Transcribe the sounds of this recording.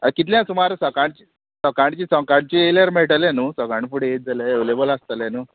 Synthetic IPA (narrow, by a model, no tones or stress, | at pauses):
əkit̪ljãsumaɾsəkaɳt͡ɕi | səkaɳt͡ɕiːsɔ̃kaɳt͡ɕieləɾmeʈəljenuːsɔkaɳfuɽeet̪̚d͡zaleeʋlebəlast̪əljanuː